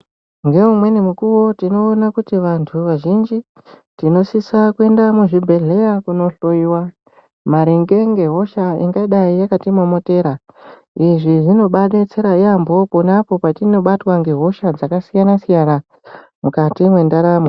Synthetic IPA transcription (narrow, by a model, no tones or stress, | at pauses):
ŋɡe̞umwe̞nemukuwo̞tino̞ːnakutiʋantʰuʋaʒind͡ʒi | tino̞sisakue̞ndamuʐibʱe̞ɮe̞jakuno̞ɬo̞iwa | maɾiŋɡe̞ŋɡe̞ɦo̞ʃaḭŋɡaɗaijakatimomo̞te̞ːɾa | iʐiʐino̞ɓaɗet͡seɾaiambo̞ponapo̞patino̞ɓatwaŋɡe̞ɦo̞ʃad͡zakasijanasijana | mukatimwe̞ndaɾame